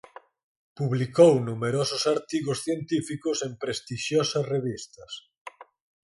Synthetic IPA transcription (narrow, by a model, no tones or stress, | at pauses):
puβlikownumeɾosʊsaɾt̪iɣʊsθjent̪ifikʊsempɾest̪iʃjosɐsreβist̪ɐs